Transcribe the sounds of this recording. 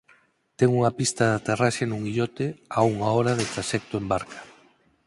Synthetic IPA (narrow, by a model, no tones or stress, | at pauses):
t̪ɛŋuŋapist̪aðat̪eraʃenũŋɡiʎɔt̪eauŋaoɾaðet̪ɾaʃɛk̚t̪ʊembaɾkʰḁ